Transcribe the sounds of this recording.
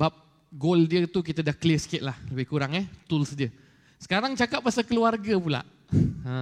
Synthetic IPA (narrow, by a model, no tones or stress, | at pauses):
bap̚ | ɡoldiət̪uk̬it̪adakəlisə̥kɪʔ̪̚lahləbɪhkuɾaŋət̪ulsdiə | sə̥kaɾaŋt͡ʃakap̚ːasakəluarɡapula̰ʔ | ə̃